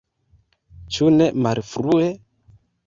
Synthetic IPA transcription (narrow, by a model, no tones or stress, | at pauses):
t͡ʃunɛmaɾifuɾuɛ